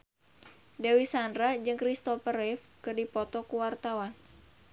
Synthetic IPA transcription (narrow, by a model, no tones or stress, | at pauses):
dawisandɾad͡ʒɨŋkɾist̪ɔfəɾɛf | kɨrdipɔt̪ɔkuwart̪awan